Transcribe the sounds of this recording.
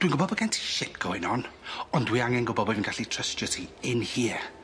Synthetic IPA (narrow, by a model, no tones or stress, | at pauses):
d̥winɡʊbɔbəɡɛntʰi̥ʃɪdɡɔɪnɔnɔndwiaŋɛnɡʊbɔbɔvənɡaɬitʰrəstɔtʰiɪnhiː